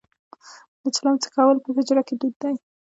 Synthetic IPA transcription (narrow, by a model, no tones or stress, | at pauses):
d̪ət͡ʃalant͡sə̥kɑwəlpəɦɪd͡ʒɾaked̪ud̪ːaj